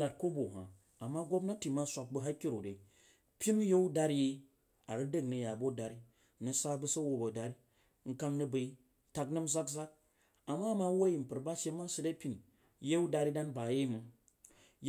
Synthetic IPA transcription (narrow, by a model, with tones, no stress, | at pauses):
a˨t̚ko˦bo˨ɦa̰˨ | a˨mːa˦ɡʷo˦bna˦ti˨ma˦sʷa˨k̚bɨ˦ɦa˦ki˦ɾo˨de˨ | pʲi˦n˦je˦wu˦da˦ɾji˦ | a̰˨ɾɨ˦də˦knɨ˨ja˨bo˦da˨ɾi˦ | nɨ˨sa˦bɨ˦sa˦wo˨bə˨da˨ɾi˦ | ŋ̩˦ka˦ŋnɨ˦bə˨i˦ | ta˨knɨ˦mza˦kza˦k̚ | a˨mːa˦˨ma˦wo˦ji˨m̩˨pɨ˨ɾba˦ʃe˦ma˦sɨ˨da˦pʲi˨n | je˦wu˦da˨ɾi˦da˦nba˨je˦mɨ˨